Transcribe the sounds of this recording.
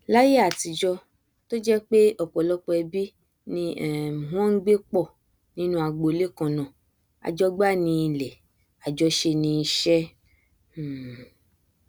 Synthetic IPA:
la˦je˦a˨ti˨˧d͡ʒɔ˧ | to˦d͡ʒɛ˦k͡pe˦ɔ˨k͡pɔ˨lɔ˦k͡pɔ˧ɛ˧bi˦ | nĩ˧ɛ˨ɦɔ̃˦ŋ̩˦ɡ͡be˦k͡pɔ˦˨ | nĩ˦nũ˦a˧ɡ͡bo˧˦le˦kã˧nã˨ | a̰˨d͡ʒɔ˦ɡ͡ba˦˨nĩ˧i˧lɛ˨ | a˨d͡ʒɔ˧˦ʃe˧nĩ˧i˧ʃɛ˦˨

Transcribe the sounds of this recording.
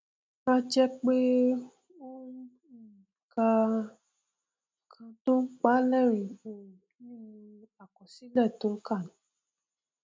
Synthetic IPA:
ã˦d͡ʒɛ˦k͡pe˦ | o˦ | i˦˨iĩ˨ka˧˨ | kʰã˧to˦n̩˦k͡pa˦lɛ˦˨ɾ̃ĩ˨o˨ɾũ˨ | nĩ˦˨mĩ˧a˨kɔ˨si˨˦lɛ˦˨to˨˦ŋ̩˦ka˦˨nũ˨˦

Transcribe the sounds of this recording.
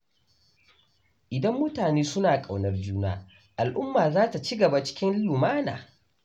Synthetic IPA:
ʔɪ˨dɐ˦mːʊ˦taː˨neː˦sʊ˦naː˨kʼa˨wnɐ˦rd͡ʒuː˦naː˦ | ʔa˨lʔʊ˦mːaː˨zaː˦ta˨t͡ʃiː˦ɡɐ˨ba˨t͡ʃɪ̥˦kʲɪ˦nlʊ˨maː˦na̰ː˨

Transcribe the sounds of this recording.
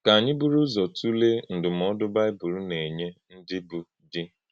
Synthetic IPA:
ka˨a˨ɲɪ˦bu˦ɾu˦zɔ˨tu˦le˦n̩˨dʊ˨m̩˨ɔ˦dʊ˦ba˦ɪ˦bu˨ɾu˦ne˨ɲe˦n̩˦dɪ˦bʊ˨ | dɪ˦

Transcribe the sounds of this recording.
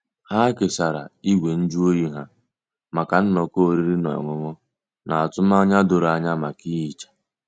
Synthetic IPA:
ha˦kɪ˨sa˨ɾa̰˨i˦ɡʷe˨n̩˦d͡ʒu˦o˦ji˦ɦa˦ | ma˨ka˨n̩˦nɔ˨ko˦o˦ɾi˦ɾi˦nɔ̰˨ŋʊ˨ŋʊ˦ | na˨a˨tʊ˦m˦a˦ɲa˦dʊ˨ɾa˨ɲa˦ma˨ki˦i˨t͡ʃḁ˨

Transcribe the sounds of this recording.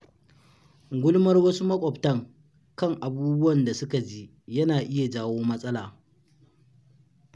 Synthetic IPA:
ɡʷʊ˦lmɐ˦rwɐ˦su˦mɐ˦kʷʼɔ˨btɐ˦ŋ | kɐ˦ŋʔa˨buː˦bʊ˦ɐ˨nda˨sʊ˦ka˨d͡ʒiː˦ | jɐ˦naː˨ʔɪ˦ja˨d͡ʒaː˦woː˦mɐ˦sʼɐ˦laː˨

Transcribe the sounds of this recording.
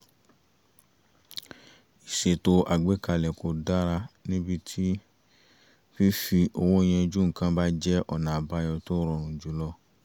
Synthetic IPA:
i˨ʃe˨to˧ʔa˨ɡ͡be˨˦ka˧˨lɛ˨ko˨da˦ɾa˧nĩ˦bi˧tʰi˦ | fi˦fi˧ʔo˧wo˦j̃ɛ̃˧o˧d͡ʒũ˦ŋ̩˨kã˧ba˦d͡ʒɛ˦ʔɔ˦˨nã˨ba˧˦jɔ˧to˦ɾɔ˧˨ɾ̃ũ˨d͡ʒu˦lɔ˧˦

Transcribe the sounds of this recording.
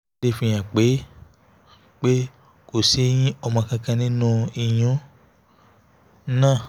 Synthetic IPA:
de˦fĩ˧j̃ã˨k͡pe˨˦ | k͡pe˦ | ko˨se˨˦j̃ĩ˦ɔ˧mã˧kã˧kã˧nĩ˦nũ˦i˧j̃ũ˨˦ | nãː˦˨

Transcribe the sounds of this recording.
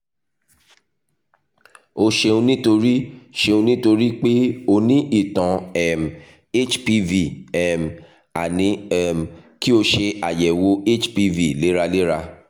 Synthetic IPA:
o˧ʃe˧ũ˧nĩ˦to˧ɾi˦ʃe˧ũ˧nĩ˦to˧ɾi˦k͡pe˦o˧nĩ˦ʔi˦˨tã˨ɛ˨m˨ | e˦t͡ʃpi˧vi˨ɛ˨m̩˨ | a˨nĩ˧˦ɛ˦˨m˨ki˦o˧ʃe˧a˨jɛ˨wo˧e˦t͡ʃpi˧vi˨le˨˦ɾa˧le˦ɾa˧

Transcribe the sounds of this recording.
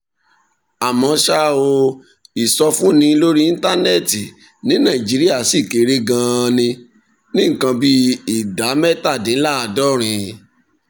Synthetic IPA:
a˨mɔ̃˧ʃa˦o˧ | i˨sɔ˧fũ˦nĩ˧˦lo˦ɾi˦i˦n˦ta˦nɛ˦˨ti˨ | nĩ˨˦nã˦˨i˨d͡ʒi˨˦ɾi˦a˦˨si˦˨ke˨ɾe˦ɡã˧nĩ˧ | nĩ˦ŋ̩˨kã˧bi˦i˨da˨˦mɛ˦ta˦˨dĩ˨˦la˦a˨dɔ˦˨ɾ̃ĩ˨˧

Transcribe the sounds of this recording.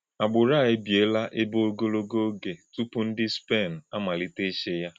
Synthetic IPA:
a˨ɡ͡bʊ˨ɾa˦˨e˦bje˨˦la˦ʔe˦bo˦o˦ɡo˦lo˦ɡo˦ɡe˨tu˦pʊ˦n̩˦dɪ˦spe˦˨n̩˨a˦ma˨li˦te˦ʃe˦ja˦

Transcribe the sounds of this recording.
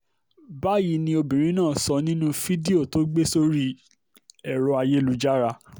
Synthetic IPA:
ba˦ji˨˧˦nĩ˧o˧bĩ˨ɾ̃ĩ˨˦nãː˦˨sɔ˧nĩ˦nũ˦fi˦di˦o˦˨to˦ɡ͡be˦so˦ɾi˦ | ɛ˨ɾɔ˧a˧je˦˨lu˨˦d͡ʒa˦ɾa˧

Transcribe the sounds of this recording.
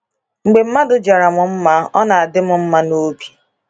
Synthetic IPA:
ŋ͡m̩˨ɡ͡be˨m̩˦ma˦dʊ˨d͡ʒa˨ɾa˨mʊ˨m̩˦ma˦ɔ˦na˨a˨dɪ˦mʊ˨m̩˦ma˦no˦bi̥˦

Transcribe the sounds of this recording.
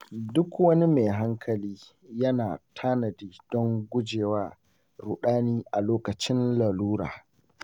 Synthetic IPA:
dʊ˦kwɐ˦ni˦me˨ɦa˦ŋkʰɐ˨liː˦ | jɐ˦naː˨tʰaː˦nɐ˨diː˦d̥ɔ˦ŋɡʷʊ˦d͡ʒeː˨waː˦ | ɾʊ˨ɗaː˦niː˦ʔa˨loː˦kɐ˨t͡ʃɪ˦nla˨luː˦ɾa̰ː˨

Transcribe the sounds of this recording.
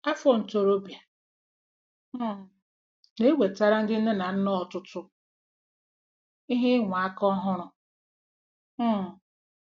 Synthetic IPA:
a˦fɔ˦n̩˨to˨ɾo˦bja˨˦˨ | ne˦wʷe˨ta˦ɾa˦n̩˦dɪ˦n̩˦dɪ˦na˨n̩˦nɔ˦ɔ˨tʊ˦tʊ˦ | i˦ɦɪ˦ŋʷa˨a˦kɔ˦ɦʊ˦ɾʊ˨˦˨

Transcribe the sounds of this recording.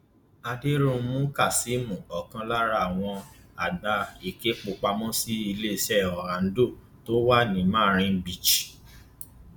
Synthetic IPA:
a˧de˦ɾũ˧˦mũ˦ka˦˨si˨˦mũ˨ɔ˨kã˧˦la˦ɾa˧˨a˨w̃ɔ̃˧a˨da˧e˨ke˦k͡po˧˨k͡pa˧mɔ̃˦si˦i˧le˦˨sɛ˦˨ɔ˨ɾã˨n̩˦do˦˨ | to˦wa˦˨nĩ˨mãː˦˨ɾ̃ĩ˧˦bi˨t͡ʃi̥˨

